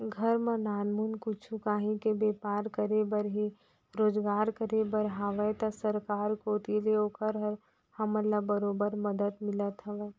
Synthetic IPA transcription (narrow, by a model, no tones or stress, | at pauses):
ɡʱəɾmãnaːnmunkʊt͡ʃʰukaːɦĩkebeːpaːɾkəɾebəɾɦi | ɾoːd͡ʒɡaːɾkəɾebəɾɦaːʋɛt̪ɐsəɾkaːɾkot̪ileoːkəɾɦəɾ | hɐməlabəɾoːbəɾməd̪əd̪mɪlət̪ɦɐʋɛː